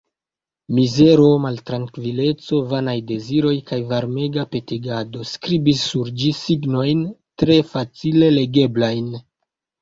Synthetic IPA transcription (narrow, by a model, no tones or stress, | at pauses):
mize̞ɾo̞maltɾaŋkvile̞t͡so̞vanajde̞ziɾo̞jkajvaɾme̞ɡape̞tiɡado̞skɾibisːuɾd͡ʒisiɡno̞jntɾe̞fat͡sile̞le̞ɡe̞blajn